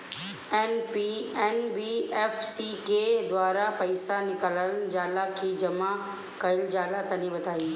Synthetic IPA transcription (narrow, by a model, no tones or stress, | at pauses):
ɛːnpiɛːnbiɛːfsiked̪waːɾapɐɪsanɪkələnd͡ʑaːlakʰiːd͡ʑɐma | kɐɪld͡ʑaːlat̪ɐnĩbɐd̪ʱaːiː